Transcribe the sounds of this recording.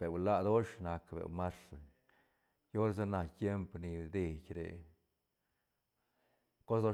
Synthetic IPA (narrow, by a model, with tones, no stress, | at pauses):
b̥e˨wla˦d̪o˦ʂna˨kbḛ˨ma˦sa˨ | jo˦ɾs̬a˦na˧t̪je˦mpni˨d̪e˨kʲɾḛ˨ | ko˦sd̪o˦